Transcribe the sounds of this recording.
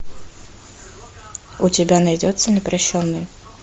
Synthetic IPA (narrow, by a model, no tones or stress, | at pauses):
ʊtʲɪbʲanɐjdʲot̪sənʲɪpɾɐɕːonːɨj